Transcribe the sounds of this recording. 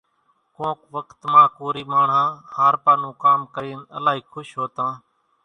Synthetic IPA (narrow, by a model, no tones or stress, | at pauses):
kõːkʋəkt̪mãːkoːɾiːmaːɳ̤ãːhaːɾpaːnũːkaːmkəɾiːnə̰laːɦiːkʰʊʃɦoːt̪ãː